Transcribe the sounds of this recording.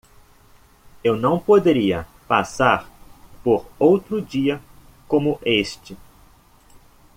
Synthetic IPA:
ewnɐ̃w̃pod̪eɾiɐ | pasaɾpoɾowt̪ɾʊd͡ʒiɐ | kõmʊʔest͡ʃɪ

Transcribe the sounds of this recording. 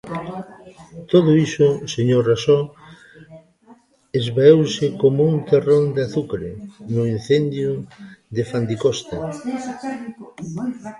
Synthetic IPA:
t̪oðʊisʊseɲorasɔ | ezβaewsɪkomuŋt̪erond̪eaθukaɾḛnʊin̟θend̪jʊd̪efand̪ikost̪a

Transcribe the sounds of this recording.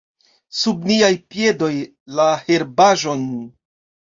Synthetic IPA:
subniajpje̞do̞j | lahe̞ɾbaʒo̞n

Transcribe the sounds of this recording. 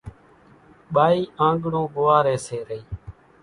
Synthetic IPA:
ɓaːiːʔãːɡɳõːɡʊːaːɾeːseːɾəiː

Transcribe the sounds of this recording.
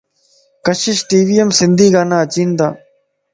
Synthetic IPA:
kəʃɪʃʈiːʋijəmsɪnd̪iːɡaːnãːət͡ʃiːnd̪aː

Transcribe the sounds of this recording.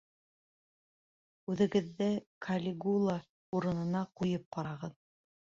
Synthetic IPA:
ʉðɘ̆ɡɘ̆ðːɘkʰalʲɪɡulˠa | uɾɤ̆nɤ̆nɑqujɤp̚qɑɾɑʁɤð

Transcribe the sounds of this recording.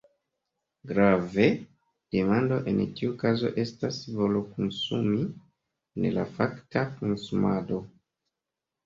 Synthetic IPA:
ɡɾave̞ | d̥emando̞ʔe̞ntiukazo̞̰ʔe̞stasvo̞lokonsumi | nela̰faktakonsumado̞

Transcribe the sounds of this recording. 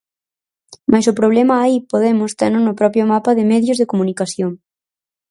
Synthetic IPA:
majsʊpɾoβ̞lɛmaːipoð̞emʊst̪eɾnʊnʊpɾɔpɾjomapaðɪmeðjʊzðekomunikaθjoŋ

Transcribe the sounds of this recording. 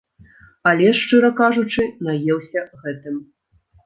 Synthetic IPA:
alʲɛʂt͡ʂɨɾɐkaʐut͡ʂɨnajɛwsʲɐɣɛt̪ɨm

